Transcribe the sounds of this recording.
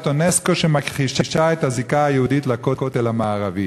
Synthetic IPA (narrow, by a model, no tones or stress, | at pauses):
tonesko̞ʃemakχiʃiʃaethazikaajehuditlakokot̪elhamaːʁavi